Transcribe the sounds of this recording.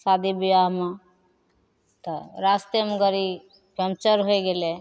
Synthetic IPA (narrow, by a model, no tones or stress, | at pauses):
sad̪ʱibiʋaɦmẽ | t̪ɔɾast̪emɡəɾi | pjəmt͡ʃəɾɦoeɡele